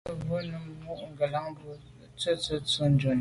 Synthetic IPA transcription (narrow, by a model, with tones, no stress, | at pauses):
bo˦nə˨mmu˦ʔŋ̩˨ɡə˨la˦ŋbo˦ | t͡sə˦t͡sə˦t͡sə˦n̩˦d͡ʒo˨n